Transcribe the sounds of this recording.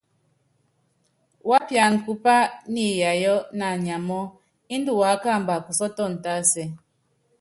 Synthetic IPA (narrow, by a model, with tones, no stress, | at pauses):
wa˦pja˨n̩˨ku˦pa˦ni˦ja˨jɔ˦na˨ɲa˨mɔ˦ | i˦n˦du˦˨wa˨˦ka˦˨mba˨ku˨sɔ˦tɔ˦˨n̩˨ta˦sɛ˨